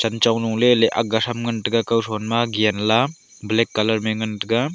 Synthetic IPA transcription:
t͡ʃant͡ʃawnuŋleleʔa̰k̚ɡasamŋantɯɡakawsɔnmaɡianla | blekːalɐɾmeŋɐntɯɡa

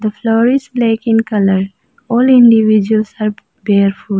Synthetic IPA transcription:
d̪əfloːɾisbleːkɪ̃nkʌləɾ | ɔːlɪ̃ɳɖiʋid͡ʒuəlsaɾb | beːɾfu

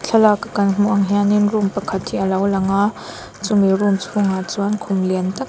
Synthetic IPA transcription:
t͡ɬʰɐlakakɐnm̥uʔɐŋɦianinrumpɐkʰɐt̪hiʔəlɐwlɐŋa | t͡sumirumt͡sʰuŋat͡suɐnkʰʊmliənt̪ɐk

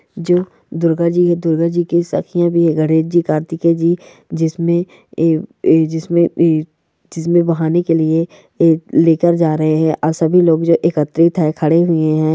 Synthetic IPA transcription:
d͡ʒoː | d̪ʊɾɡəɾd͡ʒiɦɛ̃d̪ʊɾɡəɾd͡ʒikisɐ̰kʰijãbʱiɦɛ̃ɡəɽeːt͡ʃd͡ʒikaːɾt̪iked͡ʒiː | d͡ʒɪsmẽ | d͡ʒɪsmẽ | d͡ʒɪsmẽbɐɦaːnekelie | leːkəɾd͡ʒaːɾɐɦeɦɛ̃ʔɔːɾsɐbʱiloːɡd͡ʒoːʔekət̪ɾɪt̪ɦɛkʰɐɽeɦʊeɦɛ̃ː

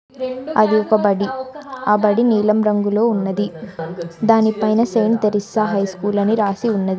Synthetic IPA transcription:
ɐd̪iɔkɐbɐɽiaːbɐɽiniːlɐmɾɐŋɡuloːunːɐd̪i | d̪aːnipɐjnɐsɐjnt̪ɐɾisɐɦɐjskuːlɐniɾaːsiunːɐd̪i

